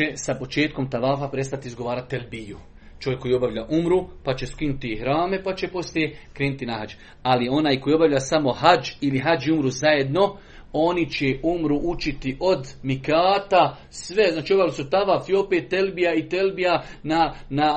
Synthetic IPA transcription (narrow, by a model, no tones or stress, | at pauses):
esapo̞t͡ʃe̞ːt̪̚ko̞mt̪aʋaːfapɾe̞st̪at̪iːzɡo̞ʋaːɾat̪ːelbiju | t͡ʃo̞je̞kːo̞jio̞baʋʎaʔumɾupat͡ʃe̞skinut̪ihɾaːme̞pat͡ʃe̞po̞slijekɾeːnut̪inaɦad͡ʒ | alio̞naːjko̞jiːo̞baʋʎasamo̞had͡ʒiliɦad͡ʒiumɾuzaje̞d̪no̞ | o̞nit͡ʃeumɾuʔut͡ʃit̪iʔo̞d̪mikaːt̪a | sʋe̞znaːt͡ʃio̞baʋilisut̪aʋaːfio̞peːt̪ːelbijait̪e̞lbijanana